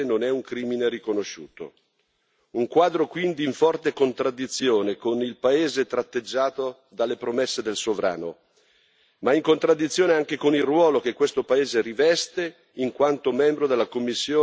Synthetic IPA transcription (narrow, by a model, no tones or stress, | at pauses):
nonɛuŋkɾiːmineɾikonoʃːṵːt̪o̰ | uŋkwaːd̪ɾokwind̪iiɱfɔrt̪ekont̪ɾad̪ːit̪sːjoːnekonilpaeːzet̪ɾat̪ːed͡ʒːaːt̪o | d̪alːepɾomesːed̪elsovɾa̰ːno | maiŋkont̪ɾad̪ːit̪sːjoːneaŋk̟ekonilrwɔːlok̟ekːwest̪opaeːzeɾivɛst̪e | iŋkwant̪omɛmbɾod̪elːakomːisːjoː